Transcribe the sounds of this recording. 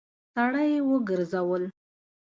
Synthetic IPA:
t̪aɽajewəɡəɾzawəl

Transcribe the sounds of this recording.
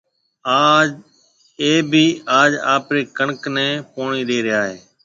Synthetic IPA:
aːd͡ʒ | eːbʱiːaːd͡ʒa̰ːpɾeːkəɳknɛ̃ːpoːɳiːɗeːɾɪjaːɦeː

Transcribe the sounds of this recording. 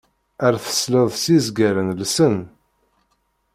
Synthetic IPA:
əɾθə̥sləðˤsizɡæɾənlsən

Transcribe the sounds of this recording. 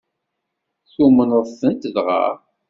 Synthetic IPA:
θumənəˤθənt̪ðʁɑ̰ɾˤ

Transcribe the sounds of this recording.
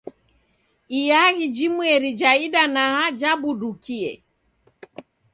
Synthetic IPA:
ijaɣid͡ʒimwɛɾid͡ʒaidanahad͡ʒabudukiɛ

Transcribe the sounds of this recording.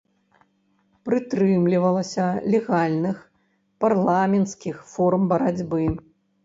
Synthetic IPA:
pɾɨt̪ɾɨmlʲivɐlˠɐsʲɐlʲɛɣalʲnɨx | parlˠamʲɛnt̪skʲixfɔrmbɐɾad͡zʲbɨ

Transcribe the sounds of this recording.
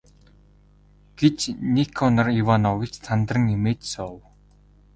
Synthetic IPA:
ɡ̥et͡ɕnikʰɔnə̆riwanɔwʲit͡ɕt͡sʰant̪rə̆ŋemeːt͡ɕsɔw

